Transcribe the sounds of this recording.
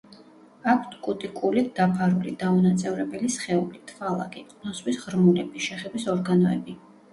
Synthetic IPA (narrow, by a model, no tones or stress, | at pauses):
akʷʰt̪ʰkʼut̪ʼikʼulid̪apʰaɾulḭd̪aunat̪sʼɛvɾɛbɛlisχɛulit̪ʰvalˠa̰kʼikʼnɔswisʁɾmulɛbiʃɛχɛd̪wisɔɾɡanɔɛ̰bi